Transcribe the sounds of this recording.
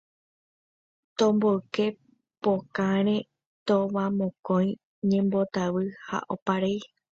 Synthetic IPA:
t̪õmboɨke̞ | pokaɾ̃ẽ | t̪oʋãmõkõj̃ | ɲẽ̞mbo̞t̪aʋɨha̰ʔopaɾej

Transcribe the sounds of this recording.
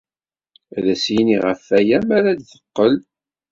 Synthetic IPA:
æðæsjniʁəfːæjæmæɾæd̪θəqːəl

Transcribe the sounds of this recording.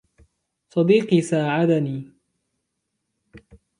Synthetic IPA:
sˤɑd̪iːqiːsaːʕad̪aniː

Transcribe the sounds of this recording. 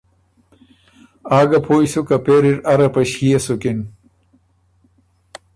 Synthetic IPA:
aːɡɐpʰoːjsukɐpeːɾiʈɐɾɐpɐɕhijɐsukin

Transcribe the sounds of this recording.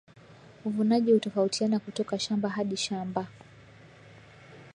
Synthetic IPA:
uvunaʄihutɔfautianakutɔkaʃambaɦaɗiʃamba

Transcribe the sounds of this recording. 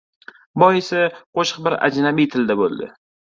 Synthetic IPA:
bɒjesɪqʰoʃɨqbɪɾa̰d͡ʒnabijt̪ʰɪld̪abo̰lˠd̪ɪ̰

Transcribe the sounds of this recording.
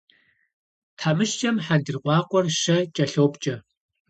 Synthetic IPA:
tʰħaːmɨʃt͡ʃʼɐmħandɨrqʷɑːqʷʼɔrʃɐt͡ʃʼɐɬowpʼt͡ʃʼɐ

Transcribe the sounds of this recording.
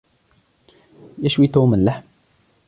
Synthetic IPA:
jaʃwit̪uːmənlaħm

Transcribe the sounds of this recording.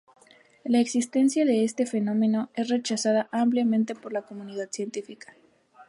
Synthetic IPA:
laeksist̪e̞nsjaðe̞est̪e̞fe̞nõ̞me̞no̞e̞sre̞t͡ʃasað̞aʔampljamẽnt̪epo̞ɾlako̞mũniðaðsje̞nt̪ifikḁ

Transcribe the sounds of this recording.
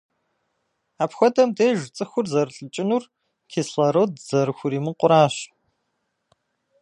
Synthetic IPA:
aːpxʷɔdɐmdeːʒt͡sʼɨxʷʊrzɐrɨɬʼɨt͡ʃʼɪnur | kʰeːsɬɐɾowdz̥ɐɾɨxʷʊɾiːmɨqʷʊɾaːɕ

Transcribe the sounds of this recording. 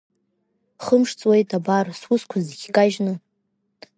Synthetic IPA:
χəmʂt͡sʼwe̞jtʼabarswuskʷʰaziɡʲkʼaʒnɨ

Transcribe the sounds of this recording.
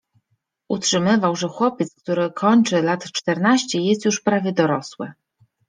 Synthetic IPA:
ʔutʂɘmɘvawʐɛxwɔpʲjɛt̪sk̚t̪uɾɘkʰɔɲt͡ʂɘlat̪t͡ʂt̪ɛɾnaɕt͡ɕɛjɛst̪juʂpɾavʲjɛd̪ɔɾɔswɘ̰

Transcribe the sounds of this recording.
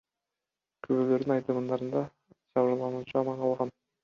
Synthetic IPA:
kʰøβøløɾd̪inɑjt̪ɯmɯnd̪ɑɾɯnd̪ɑ | t͡ʃɑβɯɾlˠɑnuːt͡ʃuɑmɑɴqʰɑlˠʁɑn

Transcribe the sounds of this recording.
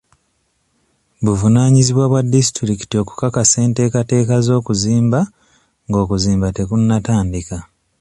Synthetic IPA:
βuvunaːɲiziβwaβwadːisi̥tɾiki̥tio̞ku̥kakase̞ːnte̞ːkate̞ːkazo̞ːkuziːmba | ŋɡo̞ːkuziːmbate̞kunːataːndika

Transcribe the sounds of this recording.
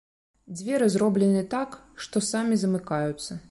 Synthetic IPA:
d͡zʲvʲɛɾɨzrɔblʲɛnɨɛt̪ak | ʂt̪ɔsamʲizɐmɨkajut̪sːɐ

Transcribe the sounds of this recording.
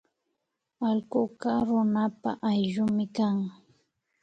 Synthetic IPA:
alɢʊkɑɾʊnapa̰ʔajʎʊmɪkaŋ

